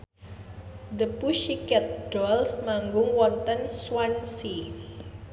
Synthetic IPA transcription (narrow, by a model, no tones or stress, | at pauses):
d̪əpuʃikɛt̪̚ɖɔlsmaŋɡʊŋwɔnt̪ənswansi